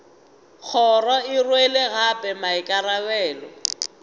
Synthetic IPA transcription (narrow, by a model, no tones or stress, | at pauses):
k͡xʰɔrɔɪrweleɣapʼɛmaɪkʼarawɛːlɔ